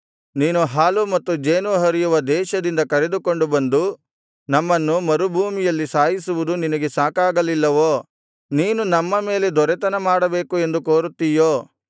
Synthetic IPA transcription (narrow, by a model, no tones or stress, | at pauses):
niːnuɦaːlumɐt̪ːud͡ʒeːnuɦɐɾijuʋɐd̪ɛːʃɐd̪ind̪ɐkɐɾe̞d̪uko̞ɳɖubɐnd̪u | nɐmːɐnːumɐɾubʱuːmijɐlːisaːjisuʋud̪uninɐɡe̞saːkaːɡɐlilːɐʋoː | niːnunɐmːɐme̞ːled̪ɔɾɛt̪ɐnɐmaːɽɐbe̞ːkue̞nd̪ukoːɾut̪ːijoː